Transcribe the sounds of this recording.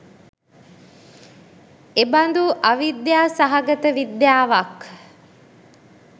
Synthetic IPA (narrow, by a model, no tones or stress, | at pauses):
eband̪uʔaʋid̪jaːsaɦaɡət̪əʋid̪jaːʋak